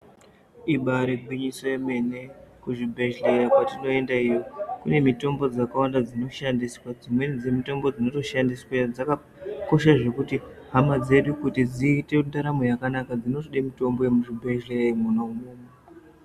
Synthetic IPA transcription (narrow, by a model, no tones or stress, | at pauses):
iɓaɾeɡʱwiɲisojeme̞ne̞kuʐibʱe̞ʒeakwatino̞e̞ndaijo̞kune̞mito̞mbo̞d͡zakawandad͡zino̞ʃandiswad͡zimwe̞nd͡zemito̞mbo̞d͡zino̞to̞ʃandiswad͡zaka | ko̞ʃaʐe̞kuti | ɦamad͡ze̞ɗukutid͡ziːte̞undaɾamojakanakad͡zino̞toɗemito̞mbo̞jemuʐibʱe̞ʒleamunamume